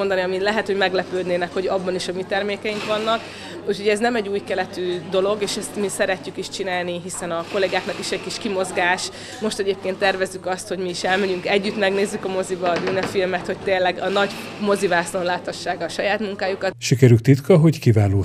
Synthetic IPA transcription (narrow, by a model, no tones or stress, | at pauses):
ond̪ɒniɒmilɛɦɛt̪ho̞ɟmɛɡlɛpøːd̪neːnɛkho̞ɟɒbːɒniʃɒmit̪ɛrmeːkɛjiŋkʋɒnːɒk | ucʰho̞ɟɛznɛmɛɟːuːjkɛlɛt̪yːd̪o̞lo̞ɡeːʃɛst̪misɛɾɛcːykiʃt͡ʃinaːlniɦisɛnɒko̞leɡaːknɒkiʃɛckiʃkimo̞zɡaːʃ | mo̞ʃt̪ɛɟeːp̚keːnt̪ːɛrvɛzːykɒst̪ho̞ɟmiːʃɛlmɛɟyŋkɛɟːyt̪mɛɡneːzːykɒmo̞zibɒːbyːnɛfilmɛt̪ho̞c̚t̪eːnlɛɡɒnɒɟ | mo̞zivaːslorlaːt̪hɒʃːaːɡɒʃɒjaːt̪muŋkaːjukɒt̪ʃikɛɾyk̚t̪it̪kʰɒɦo̞ɟkivaːloː